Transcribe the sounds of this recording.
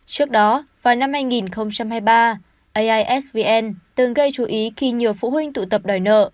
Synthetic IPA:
t͡ɕɨ˦˥ək̚ɗɔ˨˦vaː˨˩wna˧mhaː˧jŋi˨˩nxə˧wŋ͡mt͡ɕa˧mhaː˧jɓaː˧ | ʔə˧jʔaː˧jʔɛ˦˥svi˧ʔɛ˧nt̪ɨ˨˩ŋɣə˧jt͡ɕu˨˦ʔi˨˦xi˧ɲi˨˩əwfṵ˧˨ɦwï˧ŋ̟t̪ṵ˧˨t̪ə˨˩p̚ɗɔ˨˩jnə̰ː˧˨ʔ

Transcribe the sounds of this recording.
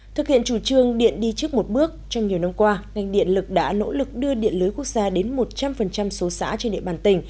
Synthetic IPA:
t̪ʰɨ˨˩k̚hḭ˧˨ənt͡ɕu˧˩t͡ɕɨ˧əŋɗḭ˧˨ənɗi˧t͡ɕɨ˦˥ək̚mo˨˩t̚ɓɨ˦˥ək̚t͡ɕɔ˧wŋ͡mɲi˨˩əwna˧mkwaː˧ŋa˨˩jŋ̟ɗḭ˧˨ənlɨ˨˩k̚ɗa̰ː˧˥no̰˧˥lɨ˨˩k̚ɗɨ˧əɗḭ˧˨ənlɨː˨˦jku˦˥ək̚zaː˧ɗe˨˦nmo˨˩t̚t͡ɕa˧mfə˨˩nt͡ɕa˧mso˨˦sa̰ː˧˥t͡ɕe˧nɗḭ˧˨ɓaː˧˩nt̪ï˧˩ŋ̟

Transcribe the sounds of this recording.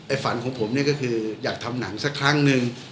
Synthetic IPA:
ʔa˧jfa˩˦nkʰɔː˩˦ŋpʰo˩˦mni˥˩ɐkɔː˥˩kʰɯː˧jaː˨˩k̚t̪ʰa˧mna˩˦ŋsa˦˥˩kʰːɾa˥˩ŋnɯ˧ŋ

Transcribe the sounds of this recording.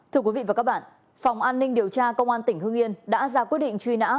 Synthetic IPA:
t̪ʰɨ˧əkwi˨˦vḭ˧˨vaː˨˩ka˦˥k̚ɓa̰ː˧˨n | fa˨˩wŋ͡mʔaː˧nːï˧ŋɗi˨˩əwt͡ɕaː˧kə˧wŋ͡mʔaː˧nt̪ï˧˩ŋ̟hɨ˧əŋʔi˧ənɗa̰ː˧˥zaː˨˩kwi˦˥ət̚ɗḭ̈˧˨ŋ̟t͡ɕwi˧na̰ː˧˥

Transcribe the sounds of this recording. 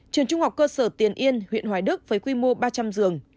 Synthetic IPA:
t͡ɕɨ˨˩əŋt͡ɕʊ˧ŋ͡mhɦa˨˩wk͡p̚kːəː˧səː˧˩t̪i˨˩ənʔi˧ənhwḭ˧˨nɦwaː˨˩jɗɨ˦˥k̚fəː˨˦jkwi˧mo˧ɓaː˧t͡ɕa˧mzɨ˨˩əŋ

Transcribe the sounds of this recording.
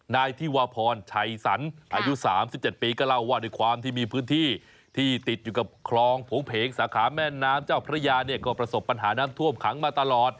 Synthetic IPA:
naː˧jt̪ʰiː˥˩waː˧pʰɔː˧nt͡ɕʰa˧˩jsa̰˩˦nʔʔaː˧ju˦˥saː˩˦msi˨˩p̚t͡ɕe˨˩t̪̚piː˧kɔː˥˩la˥˩wːaː˥˩duː˧˥˩jkʰwaː˧mt̪ʰiː˥˩miː˧pʰɯː˦˥nt̪ʰiː˥˩ | t̪ʰiː˥˩t̪i˨˩t̪̚juː˨˩ka˨˩p̚kʰlɔː˧ŋpʰoː˨˩˦ŋpʰeː˨˦ŋsaː˩˦kʰaː˩˦mɛː˥˩nːaː˦˥mt͡ɕaː˥˩wpʰɾa˦˥˧jaː˧ni˥˩kɔː˥˩pɾa˧so˨˩pːa˧nɦaː˩˦naː˦˥mt̪ʰu˥˩əmkʰa˩˦ŋmaː˧t̪a˧lɔː˨˩t̪̚

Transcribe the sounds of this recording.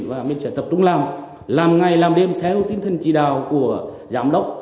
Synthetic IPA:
nvaː˨˩mi̟˨sɛ̰˧˥t̪ə˨˩p̚t͡ɕʊ˧ŋ͡mlaː˨˩m | laː˨˩mŋa˨˩jlaː˨˩mɗe˧˩mt̪ʰɛ˨˧˦wt̪i˨˦ənt̪ʰə˨˩nt͡ɕḭ˧˨ɗaː˨˩wku˧˩ə | zaː˧˥mɗə˦˥wk͡p̚

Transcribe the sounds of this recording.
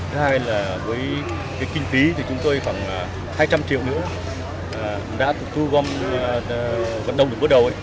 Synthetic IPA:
ɨ˨˦haː˧jlaː˨˩vəː˨˦j | kaː˨˦jkï˧ŋ̟fi˨˦t̪ʰi˨˩t͡ɕʊ˨˦ŋ͡mt̪o˧jxwaː˨˩ŋː˨˩ | haː˧jt͡ɕa˧mt͡ɕḭ˧˨əwnɨ̰˧˥ə˨˩ | ɗa̰ː˧˥t̪ɨ˨˩t̪ɨ˧ɣwa˧m | və̰˧˨nɗə̰˨˧˨ŋ͡mɗɨ˨˩kvəː˨˦˥ɗə˨˩w

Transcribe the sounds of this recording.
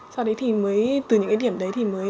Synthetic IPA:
sa˧wɗə˨˦jt̪ʰi˨˩məː˨˦jt̪ɨ˨˩ɲɨ̰˧˥ŋkːa˨˦ɗi˧˩əmɗə˨˦jt̪ʰi˨˩məː˨˦j

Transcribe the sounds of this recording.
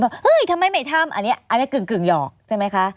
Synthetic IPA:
bɛː˨˩ʔɤː˧˥˩jt̪ʰa˧mːa˧˩jma˧˥˩jt̪ʰa˧˥˩mʔa̰˨˩nːi˦˥ɐʔa˨ni˦˥˩kɯː˨˩ŋkɯ˨˩ŋjɔː˨˩k̚t͡ɕʰa˥˩˨ma˦˥jkʰa˦˥ʔ

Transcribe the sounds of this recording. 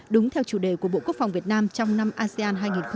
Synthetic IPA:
ɗʊ˨˦ŋ͡mt̪ʰɛ˧wt͡ɕu˧˩ɗe˧˩ku˧˩ə˩ɓo̰˧˨ku˦˥ək̚fa˨˩wŋ͡mvi˨˩ət̚naː˧mt͡ɕɔ˧wŋ͡mna˧mʔaː˧sɛ˧aː˧nɦaː˧jŋi˨˩nx

